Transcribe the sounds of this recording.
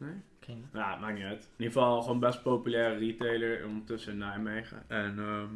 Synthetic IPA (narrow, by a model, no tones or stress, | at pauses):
nej | jatmak̚niɛtnifɑlˠχonbɛst̚powpylɛːɾəritejləɹ̰nɔndətɵsənajmejχə̰ʔɛnə